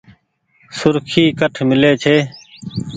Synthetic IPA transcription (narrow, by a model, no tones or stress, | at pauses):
sʊɾkʰiːkəʈʰmɪleːt͡ʃʰeː